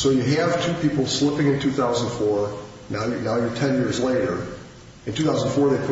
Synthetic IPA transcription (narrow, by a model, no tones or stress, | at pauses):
soʊjɨɨv̥tʰʉpʰipl̩ˠslɪpɪ̃ŋɨ̃ntʰʉθaʊzə̃n̩d̥fɔɹ | nanaʊjətʰɛ̃njɪɹzleɪɾə˞ | ɨ̃ntʰʉθaʊzn̩fɔɹðeɪkʰ